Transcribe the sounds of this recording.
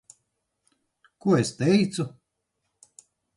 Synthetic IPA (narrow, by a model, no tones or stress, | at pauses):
kuɔest̪ɛjt̪su